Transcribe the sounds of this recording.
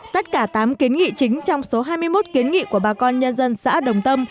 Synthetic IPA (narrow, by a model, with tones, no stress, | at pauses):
t̪ə˦˥t̚kaː˧˩t̪aː˨˦mki˨˦ənŋḭ˧˨t͡ɕï˨˦ŋ̟t͡ɕɔ˧wŋ͡mso˨˦ɦaː˧jmɨ˧əjmo˦˥t̚ki˨˦ənŋḭ˧˨ku˧˩əɓaː˨˩kɔ˧nɲə˧nzə˧nsa̰ː˧˥ɗə˨˩wŋ͡mt̪ə˧m